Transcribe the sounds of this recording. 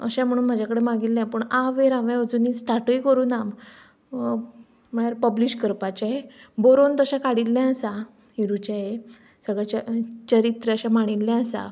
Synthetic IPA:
ə̰ɕãm̤əɽ̃uːnm̤ad͡ʑakəɽemaɡilːɛ̃pəɳaʋeɾaʋɛ̃əd͡zunisʈʰaʈujkəɾuːnam | m̤əɳaɾpəbliɕkəɾpat͡ɕaɦeboɾont̪əɕãkaɽilːɛ̃əsa | ɦiɾut͡ɕaɦe | səɡɭat͡ɕt͡ɕəɾit̪ɾəəɕãmaɽ̃ilːɛ̃əsa̰

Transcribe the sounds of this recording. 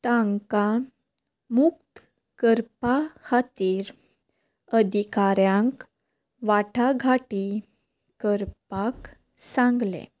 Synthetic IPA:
t̪ãŋka | mukt̪ | kəɾpakʰat̪iːɾ | əd̪ʱikaɾjãŋk | ʋaʈʰaɡʱaʈi | kəɾpak | sãŋɡlḛ

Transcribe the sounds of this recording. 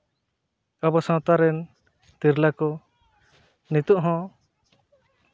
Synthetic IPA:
abɔsãt̪aɾɛn | t̪iɾlakɔ | nit̪uʔɦɔ̃

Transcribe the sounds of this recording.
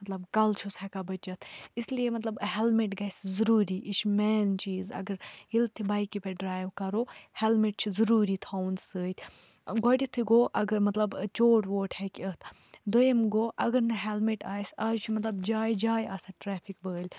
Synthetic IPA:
mɐt̪lɐbkɐlt͡ʃʰusɛkabɐt͡ʃɐt̪ʰislijemɐt̪lɐbɦɛlmeʈɡɐszuɾuːɾiːʔiʃʰmɛːnt͡ʃiːzɐ̰ɡəɾɦilt̪ʰibɐːjkipeɖɾaːjʋkɐɾoːhɛlmeʈ̚t͡ʃʰizɐɾuːɾiːt̪ʰaːwunzsəːt̪ʲʰ | ɡɔʈit̪ʰiɡoːʔɐɡəɾmɐt̪lɐbt͡ʃoːʈʋoːʈʰhɛkʲət̪ʰ | d̪ojemɡoːʔɐɡɐɾnɐɦɛlmiʈaːsaːd͡ʒt͡ʃʰimɐt̪lɐbd͡ʒaːjd͡ʒaːjɐsɐʈɾɛːpʰikbəːlʲ

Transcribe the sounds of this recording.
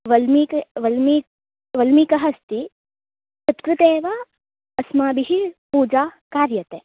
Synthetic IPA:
ʋɐlmikʋɐlm | ʋɐlmikɐɦɐst̪i | sɐt̪kɾɨt̪eːʋa | ɐsmaːbiɦipuːd͡ʒaːkaːɾjɐt̪eː

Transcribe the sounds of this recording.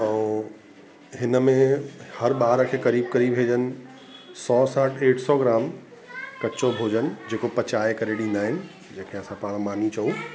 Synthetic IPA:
ɛ̃ː | ɦɪnəmẽhɐɾɓaːɾkʰeːkɐɾiːb̚kɐɾibʋeːd͡ʑənɪ̆ | sɔːsaːʈʰeːʈʰsɔɡɪɾaːm | kɐt͡ɕobʱoːd͡ʑənɪ̆d͡ʑeːkopɐt͡ɕaːekɐɾeɗɪ̃nd̪aːɦɪnɪ̆ | d͡ʑẽːkʰeɐsãpaːɽ̃maːnit͡ɕɐu

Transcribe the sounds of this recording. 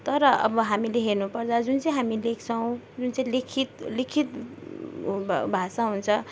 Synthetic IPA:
t̪ʌɾʌʔʌ̰bʌɦamileɦernupʌrt͡sʰʌd͡zunt͡saj̃ɦamilekʰt͡sʰʌw̃ | d͡zunt͡sãĩlekʰit̪likʰit̪ | bʱasaɦunt͡sʰʌ

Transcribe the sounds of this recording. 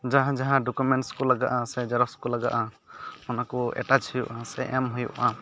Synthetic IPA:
d͡ʒaɦãd͡ʒaɦãɖɔkumɛɳskɔlaɡaʔasɛd͡ʒaɾɔskɔlaɡa̰ʔa | mɔnakɔɛ̰ʈat͡ʃhujuʔãsɛʔɛmɦujṵʔã

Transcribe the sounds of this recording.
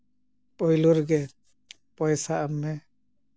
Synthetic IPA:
pɔjluɾɡɛ | pɔjsaamːɛ

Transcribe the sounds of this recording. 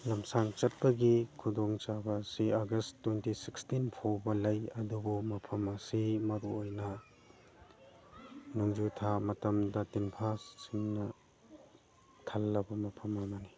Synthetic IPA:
lɐmsaŋt͡ʃɐt̚bɐɡikʰudoŋt͡ʃabɐsiaɡɐstːwentisikstinpʰowbɐlɐjɐdubumɐpʰɐmɐsimɐɾuojnɐ | nuŋd͡ʒutʰamɐtɐmdɐtinpʰassiŋnɐ | tʰalːɐbɐmɐpʰɐmɐmɐni

